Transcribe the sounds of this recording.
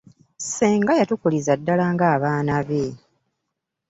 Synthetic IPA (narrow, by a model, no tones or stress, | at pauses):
seːŋɡajatukulizadːalaːŋɡaːβaːnaβe